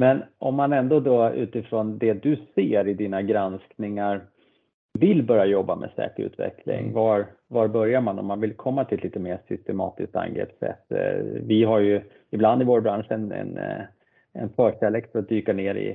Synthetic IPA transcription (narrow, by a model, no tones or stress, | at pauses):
mɛnɔmːanɛnd̪od̪ɔʉ̟ːt̪ɪfɾɔnd̪ɛd̪ɵseːɾɪd̪iːnaɡɾansknɪŋaɾ | vɪlbœɾjajɔbːamʔɛ̰sɛ̰ːkəɾʉ̟ːt̪vɛ̰kʰlɪ̰ŋvaɾvɑɾbœɾjaɾmanɔ̰mːanvɪlkʰɔmːat̪ʰɪliːt̪əmeːsʏst̪ɛmɑ̰ːt̪ɪsk̚t̪a̰nɡɾḛːpsɛ̰t̪ːvɪɦaɾjɵ | ɪbland̪ɪvoːɾbɾanʂɛnɛ̰n | ɛ̰nfœːʂɛlekfœɾat̪̚d̪yːkaɳeːɾɪ̰